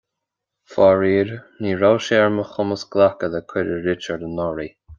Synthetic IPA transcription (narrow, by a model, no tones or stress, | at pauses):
fɔɹiːɹniːɹawʃɛɹməxʊməsɡlakəðəkʰɪɾəɹɪt͡ʃəɹd̪ənɔɹi